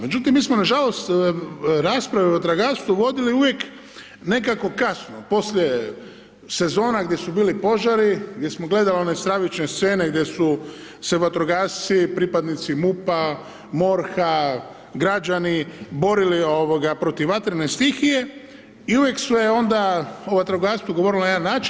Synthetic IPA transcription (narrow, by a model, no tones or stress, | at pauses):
me̞d͡ʒut̪imːiːsmonaʒalo̞st̪ | ɾaːspɾaʋiot̪ɾaɡaːst̪uʋo̞d̪iliuʋje̞k | ne̞kako̞kasnopo̞slʲje | se̞zo̞ːnaɡd̪je̞subiːlipo̞ʒaɾiɡd̪ʲjesmo̞ɡle̞d̪alionest̪ɾaʋit͡ʃne̞st̪se̞ːne̞ɡd̪je̞su | seʋat̪ɾoɡaːst̪sipɾipad̪nit̪simupa | mo̞ɾxa | ɡɾad͡ʒanibo̞ɾilio̞ʋoɡapɾo̞t̪iʋʋat̪ɾenest̪ixije̞ | iuʋje̞ksmojeo̞nd̪aoʋat̪ɾoɡaːst̪uɡo̞ʋo̞ɾilonajed̪anːaːt͡ʃi